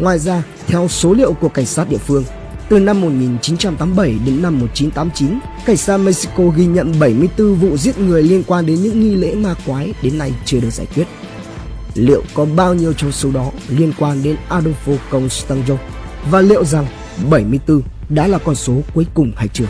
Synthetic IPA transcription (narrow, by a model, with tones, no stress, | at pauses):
ŋwaː˨˩jzaː˧ | t̪ʰɛ˧wso˨˦lḭ˧˨əwku˧˩əka˧˩ŋ̟saː˦˥t̚ɗḭ˧˨əfɨ˧əŋ | t̪ɨ˨˩na˧mːo˨˩t̚ŋi˨˩nt͡ɕi˨˦nt͡ɕa˧mt̪aː˨˦mɓə˧˩jɗe˨˦nːa˧mːo˨˩t̚t͡ɕi˨˦nt̪aː˨˦mt͡ɕi˨˦n | ka˧˩jŋ̟saː˦˥t̚mə˧j̚si˧ko˧ɣi˧ɲə̰˧˨nɓə˧˩jmɨ˧əjt̪ɨ˧vṵ˧˨zi˦˥ət̚ŋɨ˨˩əjli˧ənkwaː˧nɗe˨˦nɲɨ̰˧˥ŋŋi˧lḛ˧˥maː˧kwaː˨˦jɗe˨˦nːa˧jt͡ɕɨ˧əɗɨ˨˩ək̚zaː˧˩jk̪wt̚ | lḭ˧˨əwkɔ˨˦ɓaː˧wɲi˧əwt͡ɕɔ˧wŋ͡mso˨˦ɗɔ˨˦li˧ənkwaː˧nɗe˨˦nʔaː˧ɗo˧ŋ͡mfo˧kə˧˩wŋ͡mst̪aː˧ŋzə˧ŋ͡m | vaː˨˩lḭ˧˨wza˨˩ŋ | ɓə˧˩jmɨ˧əjt̪ɨ˧ | ɗa̰ː˧˥laː˨˩kɔ˧nso˨˦ku˨˦əjkʊ˨˩ŋ͡mhaː˧jt͡ɕɨ˧˩ək